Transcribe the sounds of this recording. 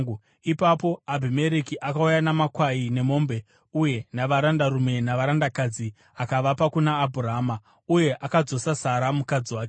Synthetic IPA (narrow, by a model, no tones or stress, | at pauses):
ipapo̞abʱime̞ɾekiʔakaujanamakwaine̞mo̞ːmbe̞ | uje̞naʋaɾandarume̞naʋaɾandakad͡zi | akaʋapakunaːbʱuraɦaːma | uje̞ʔakad͡zo̞sasaɾamukad͡ziwaːke